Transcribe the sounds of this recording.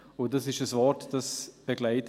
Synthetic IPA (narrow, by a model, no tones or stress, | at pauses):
ʊndasɪʃəsvɔɾtd̥asb̥eɡlaɪt